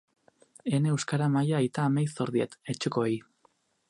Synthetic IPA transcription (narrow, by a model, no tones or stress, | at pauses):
e̞ne̞ewskaɾamajaːjt̪aːmejso̞ɾðiet̪et͡ʃekoej